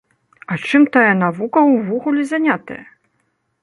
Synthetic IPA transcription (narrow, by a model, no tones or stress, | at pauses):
ɐt͡ʂɨmt̪ajɐnavukɐwvɔɣulʲizanʲat̪ɐ̰jɐ